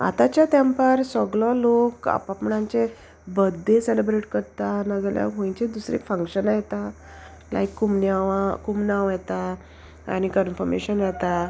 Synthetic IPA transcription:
a̰t̪at͡ɕjat̪jãmpəɾsɔɡɭɔloka̰papɳãɲt͡ɕe | bəd̪ʱːẽselebɾeʈkəɾt̪anəɡlja̰ɦõĩt͡ɕed̪usɾḛkfə̃ŋkɕənajɛt̪a | la̰ikːumnaakumnaʋjɛt̪a | a̰nikənfɔɾmḛɕənjɛt̪a

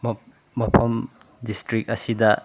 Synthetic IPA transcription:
m | mɐpʰɐm | distɾik̚ɐsidɐ

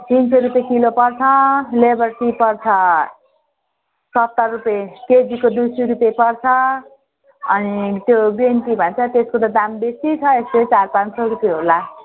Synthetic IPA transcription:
t̪insʰeɾupekilopʌrt͡sʰʌlebʌrsipʌrt͡sʰʌ | sʌt̪ːʌrrupeked͡zikod̪usuɾupepʌrt͡sʰʌ | ʌnit̪jobenʈibʱʌnt͡sʰʌt̪eskot̪ad̪ambesit͡sʰʌeslet͡sarpãnsʌɾupjeɦola

